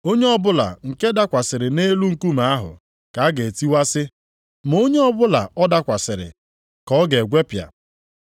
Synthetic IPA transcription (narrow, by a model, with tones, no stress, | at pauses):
o˦ɲe˦ɔ˦bʊ˦la̰˨ŋ̩˨ke˦da˦kʷa˨sɪ˨ɾɪ˨ne˦lu˦ŋ̩˨ku˦ma˨a˦ɦʊ̰˨ | ka˨˦a˦ɡe˨ti˦wa˦sɪ˦ | m˨o˦ɲe˦ɔ˦bʊ˦la˨ɔ˦da˦kʷa˨sɪ˨ɾɪ̰˨ | kɔ˦ɡe˨ɡʷe˦pja̰˨